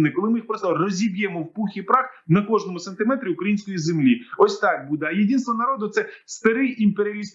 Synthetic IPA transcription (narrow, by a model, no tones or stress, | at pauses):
nɪkɔlˠɪmɪjixpɾɔst̪ɔrɔzʲibʲjɛmɔwpuxʲipɾɑxnɐkɔʐnɔmʊsɐnt̪ɪmɛt̪ɾʲiʊkɾɐjinʲsʲkɔjizemlʲiɔsʲt̪ɑk̚bud̪ɐjedʲinst̪ʋɔnɐɾɔd̪ʊt̪sɛst̪ɐɾɪjimpeɾʲɪɐlʲist̪